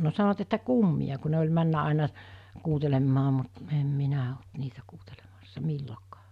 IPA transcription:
no sɑnoʋ̆ɑt etːæ kumːij̆ɑ ku ne olʲ mænːæ ɑˑenɑ kuːtelemːɑː mut em minæ olt niːtæ kuːtelemɑsːɑ milːokɑ̥ː

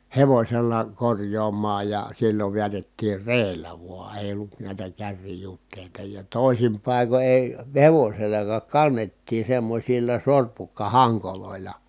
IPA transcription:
heʋosʲelːɑ korjˑoːmˑɑːj jɑ silːoʋ ʋiætetːiːr reːlːæ ʋuɑ eˑi̯ olːut næˑi̯tæ kærːijutˑeˑitɑ jɑ toˑisim pɑˑiko eˑi heʋoselːɑkɑːk kɑnːetːiː semːosʲilːɑ sorpukːɑhɑŋkoloˑilɑ

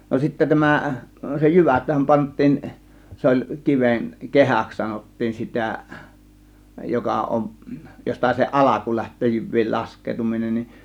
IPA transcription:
no sitːæ tæmæ se jyʋæthæm pɑntˑiːn se olʲ kiʋen kehæks sɑnotːiːn sitæˑ jokɑ ʔomʔ jostɑ se ʔɑlɑku læhtˑøː jyʋˑiːl lɑskˑeːtuminen nin

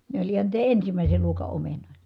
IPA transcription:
ne olʲ ihɑn niːtæ ensimæˑise luokɑ omenoˑitɑ̥

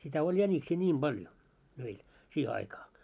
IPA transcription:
sitæ olʲ jænʲiksiː nʲiːm b̥ɑljo meil siːhe ɑikɑː

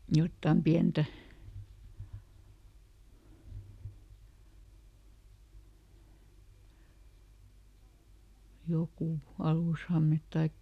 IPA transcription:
jotːɑm piæntæ jokuˑ ɑluˑshɑmet tɑikːɑ

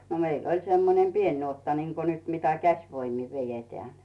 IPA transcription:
no meilː olʲ semːonem pien nuotːɑ niŋko nyt mitæ kæsʲʋoimi ʋejeteæˑn̥

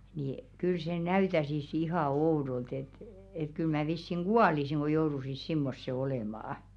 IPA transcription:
niˑ kyl se næytæsis ihɑˑ oudolt et et kyl mæː ʋisːiŋ ɡ̊uɑlisiŋ ɡ̊o jourusis simːosːe oleˑmɑˑɑ̆

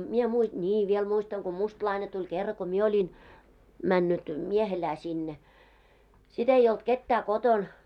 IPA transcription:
mie mui nʲiː ʋiel muistɑŋ ko mustlɑine tulʲ kerːɑ ko mie olʲin mænːyt miehelæː sinːe sit ei olt ketːæː koton

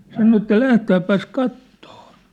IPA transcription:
sɑno etːæ læhtæːpːæs kɑtːoː

